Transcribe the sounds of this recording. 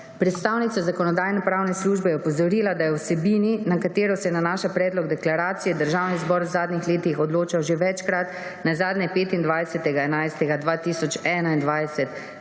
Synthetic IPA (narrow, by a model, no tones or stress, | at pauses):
pɾɛt̪st̪aːwnit̪sazakɔnɔd̪aːjnɛpɾaːwnɛsluːʒbɛjɛpɔzɔɾiːlad̪ajɛwsɛbiːninakat̪eːɾɔsɛjɛnanaːʃapɾɛːd̪lɔɡd̪ɛklaɾaːt̪sijɛd̪əɾʒawnizbɔːɾwzaːd̪nixleːt̪ixɔd̪loːt͡ʃawʒeʋɛt͡ʃkɾat̪ | nazaːd̪nʲɛpeːt̪ind̪ʋajsɛt̪ɛɡaɛnajst̪ɛɡad̪ʋat̪isɔt͡ʃɛːnaind̪ʋajsɛt̪